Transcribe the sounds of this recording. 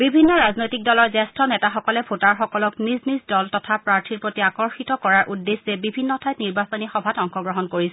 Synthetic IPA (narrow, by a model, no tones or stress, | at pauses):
bibʱinːɔɹaznojtik̚dɔlɔɹzɛstʰɔnɛtaxɔkɔlɛpʰotaɹxɔkɔlɔkniznizdɔltɔtʰapɹaɹtʰiɹpɹotiakɔɹxitɔkɔɹaɹʔudːeszɛbibʱinːɔtʰajtniɹbasonixɔbʱatɔŋxɔɡɹɔɦɔnkoɹisɛ